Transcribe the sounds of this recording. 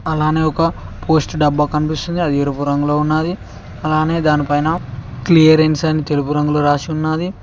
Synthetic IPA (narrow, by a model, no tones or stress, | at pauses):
ɐlaːne̞ːɔkɐpʰo̞ːsʈɖɐbːaːkɐnipist̪und̪iɐd̪ieɾupuɾɐŋɡuloːunːaːd̪i | ɐlaːne̞ːd̪aːnipɐjnɐklijɐɾensɐnːit̪e̞lupuɾɐŋɡuloːɾaːsiunːaːd̪i